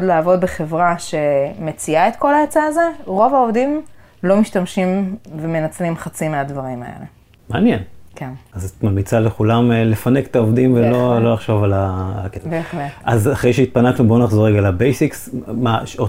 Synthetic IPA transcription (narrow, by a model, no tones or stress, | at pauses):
dlaːvo̞d̪̚beχe̞vʁaʃe̞me̞t͡siaet̪ko̞laet͡saːze̞ʁo̞vao̞vdim | lo̞miʃtamʃimveme̞nat͡slimχat͡simeadvaʁima̰ḛle̞̰ | maːnjenkʰenazat̪mamit͡saleχulamle̞faneke̥t̪aovd̪imvelo̞lo̞laχʃo̞valalkesveχletazaχʁejʃeit̚panaknubo̞naχzo̞ʁeɡalabejsiksmaʃo